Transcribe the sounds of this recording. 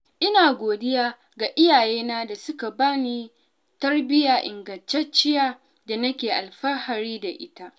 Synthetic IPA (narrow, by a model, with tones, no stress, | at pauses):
ʔɪ˦naː˨ɡʷoː˨dɪ˦jaː˦ | ɡa˨ʔɪ˦jaː˨jeː˦naː˦da˨sʊ˦ka˨baː˦niː˦ | tɐ˦rbɪ˦jaː˨ʔɪ˨ŋɡɐ˨nt͡ʃɛ˦t͡ʃɪ˦jaː˦ | da˨nɐ˦kʲeː˨ʔa˨lɸɐ˦ha˨ɾiː˦da˨ʔɪ̰˦ta˦ʔ